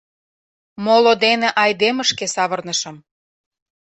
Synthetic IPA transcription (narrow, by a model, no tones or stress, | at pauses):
molod̪eneʔɑjd̪eməʃkesɑβərnəʃə̆m